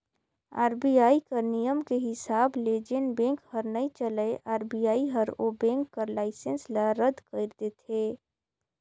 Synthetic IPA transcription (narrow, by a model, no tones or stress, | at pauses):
a̰ːɾbiaːikɐɾnijəmkeɦɪsaːbled͡ʒenbẽːŋkhəɾnəit͡ʃələeʔaːɾbiaːiɦəɾobẽːŋkːɐɾlaːɪsənslaɾəd̪kəɪɾd̪et̪eː